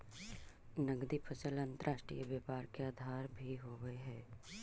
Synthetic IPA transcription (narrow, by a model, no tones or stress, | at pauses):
nəɡd̪ipʰət͡ʃəlɐ̃nt̪əɾʔaːʃʈɾḭjəbjeːpaːɾkeaːd̪ʱaːɾbʱiɦoːɡəeɦɛː